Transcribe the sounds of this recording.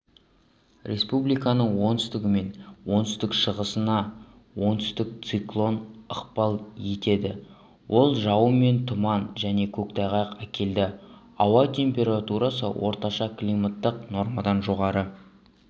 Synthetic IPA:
ɾʲʔe̞spublijkɑnəɴwo̞nt̪ʏ̥st̪ɪɡʲɪme̞nwo̞nt̪ʏ̥st̪ɪkʃəʁəsənɑ | wo̞nt̪ʏ̥st̪ɪk̚t̪siklˠo̞nəqpɑlˠje̞t̪e̞d̪ɪ | wʔo̞lˠʒɑwəme̞nt̪ʰʊmɑnʒæne̞kʲʰɵk̚t̪ʰɑjʁɑjqækʲe̞ld̪ɪ | ɑwɑt̪ʲʰe̞mpʲe̞ɾat̪uɾɑsə̰wʔo̞̰ɾt̪ɑʃɑklʲimat̪ːəqno̞ɾmad̪ɑnʒo̞ʁɑɾə

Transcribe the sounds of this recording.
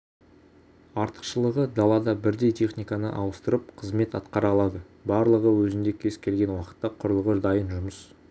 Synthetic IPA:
ɑɾt̪ə̥qʃəlˠəʁəd̪ɑlˠɑd̪ɑbɪɾd̪e̞jt̪ʰe̞χnijkanə̰ʔɑw̪ˠəst̪əɾəp̚qʰəzme̞t̪ɑt̪qɑɾɑlˠɑd̪ə | bɑɾlˠəʁəwɵzɪnd̪e̞kʲʰe̞skʲʰe̞lɡʲe̞nwɑqə̥t̪ːɑqʰʊɾəlˠʁəd̪ɑjənʒʊməs

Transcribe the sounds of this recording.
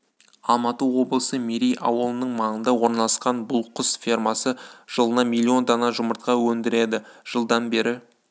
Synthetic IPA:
ɑ̰lˠmɑt̪əwo̞blˠəsəmiɾijʔɑ̰wəlˠənəɴmɑɴənd̪ɑwo̞ɾnɑlˠɑsqɑnbʊlˠqʰʊsfʲirmɑsəʒ̥əlˠənɑmʲilʲːio̞nt̪ʰɑnɑʒʊməɾt̪̚qɑwɵnd̪ɪɾe̞d̪ɪʒ̥əlˠd̪ɑnbe̞ɾɪ

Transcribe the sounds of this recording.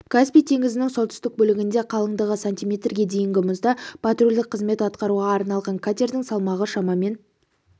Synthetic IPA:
kʰaspijt̪ʰe̞ŋɪzɪnɪŋso̞lt̪ʏ̥st̪ɪk̚bɵlɪɡʲɪnd̪e̞qʰɑlˠəɴd̪əʁəsant̪ijmʲe̞t̪rɡʲe̞d̪e̞jɪŋɡʲɪmʊzd̪ɑpʰat̪rulʲd̪ɪkqʰːəzme̞t̪ɑt̪qɑɾuʁɑːɾnɑlˠʁɑŋkʰat̪ʲe̞ɾd̪ɪŋsɑlˠmɑʁəʃɑmɑme̞n

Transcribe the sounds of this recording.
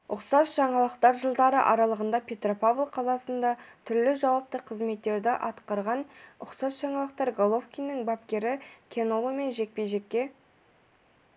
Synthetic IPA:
ʊqsɑsʒ̥ɑɴɑlˠəqt̪ɑɾʒəlˠd̪ɑɾə̰ʔɑɾɑlˠəʁənd̪ɑpʲʰe̞t̪ropavlˠqʰɑlˠɑsənd̪ɑt̪ʰʏɾlɪʒɑwɑp̚t̪əqʰəzme̞t̪ːe̞ɾd̪ɪʔɑt̪qɑɾʁɑnʊqsɑsʒ̥ɑɴɑlˠəq̚t̪ɑɾɡolˠo̞fkʲijnəŋbapkʲe̞ɾɪkʲʰe̞nolˠome̞nʒe̞k̚pe̞jʒe̞kʲːe̞

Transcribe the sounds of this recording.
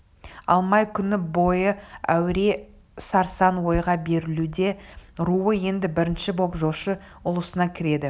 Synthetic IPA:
ɑ̰lˠmɑjkʲʰʏnɪbo̞jəæ̰wɾe̞ | sɑɾsɑnwo̞jʁɑbe̞ɾɪlud̪e̞ɾuwəje̞nd̪ɪbɪɾɪnʃɪbo̞pʒo̞ʃə | ʊlˠəsənɑkʲʰɪɾe̞d̪ɪ

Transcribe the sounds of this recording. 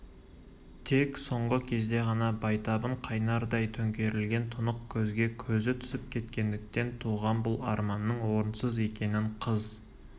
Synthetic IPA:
t̪ʰe̞kso̞ɴʁəkʲʰe̞zd̪e̞ʁɑnɑbɑjt̪ɑbəɴqʰɑjnɑɾd̪ɑjt̪ʰɵŋkʲe̞ɾɪlɡʲe̞nt̪ʰʊnəqkʲʰɵzɡʲe̞kʲʰɵzɪt̪ʰʏ̥sɪp̚kʲʰe̞t̪kʲe̞nd̪ɪk̚t̪e̞nt̪ʰuʁɑmbʊlˠɑɾmɑnːəɴwo̞ɾənsəze̞kʲe̞nɪɴqʰəz

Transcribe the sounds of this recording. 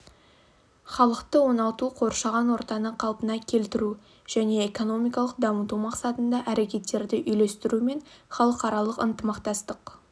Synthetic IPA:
χɑlˠəqt̪əwo̞nɑlˠt̪uqʰo̞ɾʃɑʁɑnwo̞ɾt̪ɑnəqʰɑlˠpənɑkʲʰe̞lt̪ɪɾu | ʒ̥æne̞ːko̞no̞mijkɑlˠəq̚d̪ɑmət̪umɑqsɑt̪ənd̪ɑʔæɾekʲe̞t̪ːe̞ɾd̪ɪʔʏjle̞st̪ɪɾume̞ɴχɑlˠəqɑɾɑlˠəqənt̪əmɑqt̪ɑst̪əq

